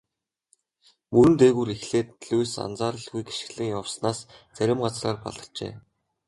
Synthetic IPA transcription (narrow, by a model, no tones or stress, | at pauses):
mɵɾɘ̆nt̪eːɣuːɾixɮeːt̪ɮujsa̰nt͡saːɾə̆ɮɣujɡe̥ʃ̆ɣɮɘ̆ŋjɔwsnaːst͡sæɾʲɪ̆mɢat͡sraːrpa̰ɮə̆rt͡ɕḛː